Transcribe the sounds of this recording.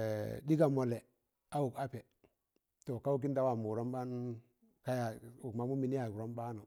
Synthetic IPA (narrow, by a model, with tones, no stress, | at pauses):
di˦ka˨mo˨le˨ | a˦wu˨ka˦pe˨ | to˨ka˦u˦k̬i˦nda˦wa˨mu˨ɾo˦mba˦n˦ | ka˦ja˨u˨kma˨˦mu˦mi˨ni˦ja˨u˨ɾo˦mba˦nu˨